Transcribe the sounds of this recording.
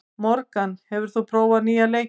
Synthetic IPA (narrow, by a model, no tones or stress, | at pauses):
mɔɾkanhɛvʏɾ̥θupʰɾoːwvaðniːaleːj